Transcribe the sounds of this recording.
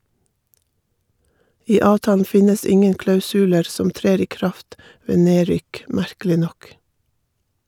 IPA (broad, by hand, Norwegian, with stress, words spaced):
ˈiː ˈɑːʋtɑːln̩ ˈfɪnəs ˈɪŋən klɑʉsʉˈleːɾ ˈsɔm ˈtɾeːɾ ˈiː ˈkɾɑft ˈʋeː ˈneːˌɾʏk ˈmæɾkəlɪ ˈnɔk